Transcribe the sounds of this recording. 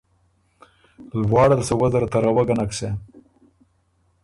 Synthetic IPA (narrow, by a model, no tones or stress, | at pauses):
lwɑːɽalsewazaɾt̪aɾawaɡanakse